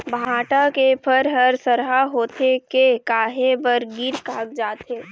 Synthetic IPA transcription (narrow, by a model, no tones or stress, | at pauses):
bʱãːʈakepʰəɾɦɐɾsəɾɦaɦoːt̪ʰekekaːɦebəɾɡiɾkaːk̚d͡ʒaːt̪eː